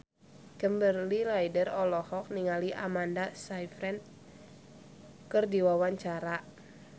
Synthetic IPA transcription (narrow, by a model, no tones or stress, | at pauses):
kəmbərlilajdərɔlɔhɔk̚niŋaliʔamandasajfɾɛn | kərdiwawaɲt͡ʃaɾa